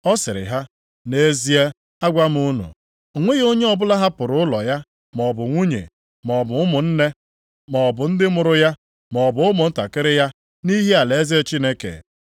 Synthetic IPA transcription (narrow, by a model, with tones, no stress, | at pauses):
ɔ˦sɪ˨ɾɪ̰˨ɦa˦ | ne˦zi˦e˦ | a˦ɡʷa˦m˦u˦nṵ˨ | ŋʷe˦ɣo˦ɲe˦ɔ˨bʊ˦la˦ɦa˦pʊ˨ɾʊ˨˦ʊ˦lɔ˨ja˦ | mɔ˨bʊ˨ŋʷu˦ɲḛ˨ | mɔ˨bʊ˨˦ʊ˦mʊ˨n̩˦ne˦ | mɔ˨bʊ˨n̩˦dɪ˦mʊ˨ɾʊ˦ja˦ | mɔ˨bʊ˨ʊ˦mʊ˨n̩˦ta˨kɪ˦ɾɪ˦ja˦ | ni˦ɦe˦a˨le˨˦ze˦e˦t͡ʃi˦ne˦kḛ˨